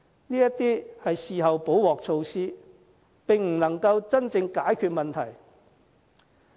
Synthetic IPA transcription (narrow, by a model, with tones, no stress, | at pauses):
niː˥jɐ˥t̪iː˥hɐ˨jsiː˨ɦɐ˨wpo˨˥wwɔː˨k̚t͡sʰo˧wsiː˥ | pɪ˨ŋm̩˨˩nɐ˨˩ŋkɐ˧wt͡sɐ˥nt͡sɪ˧ŋkaː˨˥jkʰyː˧t̚mɐ˨nt̪ʰɐ˨˩j